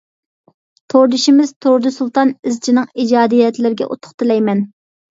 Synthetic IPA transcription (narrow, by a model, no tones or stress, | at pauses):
t̪ʰoɾd̪ɨʃimɪz̥t̪ʰoɾd̪ɨsulˠt̪ɑnɪzt͡ʃʰinɨŋid͡ʒɑːd̪ijɛt̪lɪɾɪɡʲɛ̰ʔo̰t̪ʰʊ̥χt̪ɨlɛjmɛn